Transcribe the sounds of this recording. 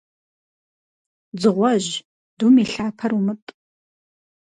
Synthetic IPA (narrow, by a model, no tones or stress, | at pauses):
d͡zɨʁʷɔʑ | d̥umiɬaːpʰɐrumɨtʼ